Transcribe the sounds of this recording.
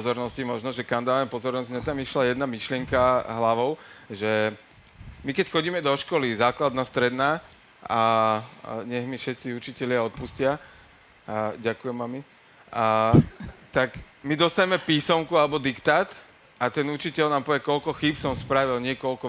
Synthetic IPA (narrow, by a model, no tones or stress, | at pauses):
pɔzɔɾnɔscimɔʒnɔʒɛkamd̪aːʋɛmpɔzɔɾnɔzɟmɲat̪amiʃlajɛd̪namiʃlɪɛŋkaɦlaʋɔʊʒɛ | mikɛcxɔɟiːmɛd̪ɔʃkɔlizaːklad̪naːst̪ɾɛd̪naː | a | ɲɛɣmifʃɛt̪t͡siut͡ʃicɛlɪaɔt̪̚puscɪa | ɟakujɛmami | t̪akmid̪ɔst̪aɲɛmɛpiːsɔmkualɛbɔd̪ikt̪aːt̪ | at̪ɛnut͡ʃicɛʎnaːmpɔʋɛkɔlkɔxiːpsɔmspɾaʋilɲɪɛkɔlkɔ